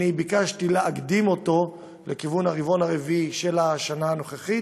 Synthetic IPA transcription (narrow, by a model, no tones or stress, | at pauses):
ibikaʃt̪ileaɡd̪imo̞t̪o̞ | lekivunhaʁivo̞naʁeviiʃelaʃanaːno̞χeχit